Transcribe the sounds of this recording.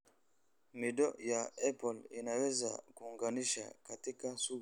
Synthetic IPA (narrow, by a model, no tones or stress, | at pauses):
midɔjaɛpɔlinawɛza̰kuŋɡaniʃa̰katikansu